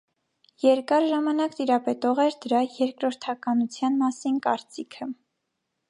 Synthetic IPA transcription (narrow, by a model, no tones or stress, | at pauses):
jɛɾkɑɾʒɑmɑnɑkt̪iɾɑpɛt̪ɔʁɛɾd̪əɾɑjɛɾkɾɔɾt̪ʰɑkɑnut͡sʰjɑnmɑsinkɑɾt͡sikʰə